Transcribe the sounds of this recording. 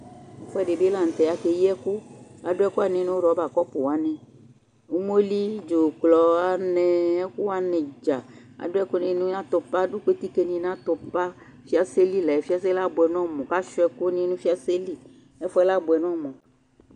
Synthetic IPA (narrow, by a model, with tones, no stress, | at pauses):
e˨fɔ˦ɛ˦˨ɖe˨be˦lã˨n̩˨t̪ɛ˨ja˨ke˨ji˦ɛ˦ku˦a˨ɖo˦ɛ˦ku˦a˨nẽ˨˦nẽ˦wo˦ɾɔ˨˦ba˨kɔ˦po˨wa˨˦nɛ̃˨ | o˦m˦o˦li˦d͡ʒo˨klɔ˨a˨nɛ̃˨ɛ˦ku˦a˦nɛ̃˨d͡ʒa˨ | a̰˨ɖo˦ɛ˦ku˦nẽ˨˦nũ˦nã˦t̪o˨pa˦ɖu˦ke˦t̪i˦ke˦nĩ˨˦nã˦t̪o˨pa˦ | fi˦a˦se˦li˦lɛ˨fi˦a˦se˦la˦bo˨ɛ˨n˦ɔ̃˦mɔ̃˨ka˦ʃɔ˦ɛ˦ku˦nĩ˨˦nũ˦fi˦a˦se˦li˦ | ɛ˦fɔ˦ɛ˦la˦bo˨ɛ˨n˦ɔ̃˦˨mɔ̃˨